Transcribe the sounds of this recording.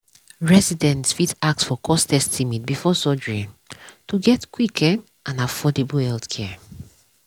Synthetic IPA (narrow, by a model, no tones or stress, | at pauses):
ɹɛsidɛ̃ntsfitak̚tsfɔkʰɔstɛstʰimit̚bifɔsɔd͡ʒɹĩntuɡɛtkwikʰɛ | ãnafɔdeblhɛlθkʰɛ